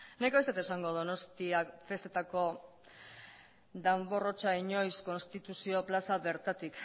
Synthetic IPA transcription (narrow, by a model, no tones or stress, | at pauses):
nekaβst̪et̪esaŋɡo̞ðono̞st̪iafe̞st̪e̞t̪ako̞ | d̪ambo̞ro̞t͡ʃaiɲo̞jsko̞nst̪it̪usio̞plasaβe̞ɾt̪at̪ik